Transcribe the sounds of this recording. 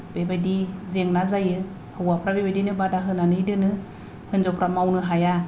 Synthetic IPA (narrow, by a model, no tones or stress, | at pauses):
b̥ebadizeŋnazajɯ | hɯwapʰɾabebadinɯbadaɦɯnanɯjdɯnɯ | hɯnzɔpɾamawnɯɦaja